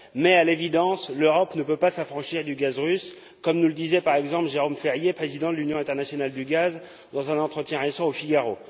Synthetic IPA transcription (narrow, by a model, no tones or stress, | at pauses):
mɛalevid̪ɑ̃sløʁɔpnəpøpasafχɑ̃ʃiʁd̪yɡazʁys | kɔmnuləd̪izɛpaʁɛɡzɑ̃plʒeʁomfɛʁjepχezid̪ɑ̃d̪əlynjɔ̃ɛ̃t̪ɛʁnasjɔnald̪yɡaz | d̪ɑ̃zɛ̃nɑ̃t̪χət̪jɛ̃ʁesɑ̃ofiɡaʁo